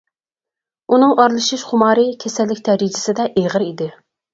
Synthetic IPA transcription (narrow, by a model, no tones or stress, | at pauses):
unɨŋɑɾlˠɨʃiʃχʊmɑːɾɨkʲʰɛsɛlːɪkʲt̪ʰɛɾid͡ʒɪ̥sɪd̪ɛʔeʁəɾid̪ɪ